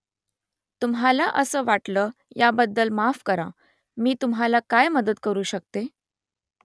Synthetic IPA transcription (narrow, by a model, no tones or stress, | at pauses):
t̪umɦalaʔəsəːʋaʈləjabəd̪ːəlmafkəɾa | miːt̪umɦalakajməd̪ət̪kəɾuːɕək̚t̪e